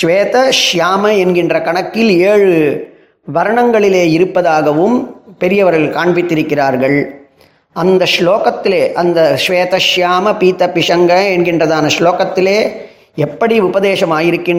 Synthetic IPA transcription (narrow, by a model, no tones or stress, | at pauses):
ʃʋeːt̪ɐʂjaːmɐɛnɡɪndrɐkɐɳɐkːɪleːɻɯ | ʋɐɾɐɳɐŋɡɐɭɪleːɪɾɯpːɐðaːɣɐʋɯmpɛɾɪjɐʋɐɾɐlkaːɳbɪt̪ːɪɾɯkːɪraːɾɣɐɭ | ɐnd̪ɐsloːkɐt̪ːɪleːʔɐnd̪ɐʂʋeːt̪ɐʃjaːmɐpiːt̪ɐpɪʂɐŋɡɐɛnɡɪndrɐðaːnɐʂloːkɐt̪ːɪleː | ɛpːɐɽiʊbɐðeːʂɐmaːjɪɾɯkːɪn